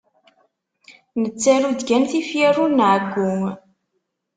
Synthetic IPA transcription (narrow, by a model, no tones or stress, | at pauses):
nət͡sːæɾud̪ɡænθifjarunʕəɡːʊŋ